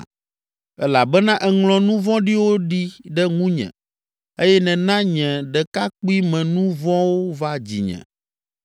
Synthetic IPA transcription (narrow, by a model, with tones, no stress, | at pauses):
ɛ˦la˨bɛ˦nã˦ʔɛ˨ŋlɔ̃˨nũ˦vɔ̃˦ɖi˦wo˦ɖi˦ɖɛ˦ŋũ˦ɲɛ̰̃˨ | e˦jɛ˦nɛ̃˨nã˦ɲɛ̃˨ɖɛ˨ka˦k͡pu˦i˦mɛ̃˨nũ˦vɔ̃˦wo˦va˦d͡ʑḭ˨ɲɛ̰̃˨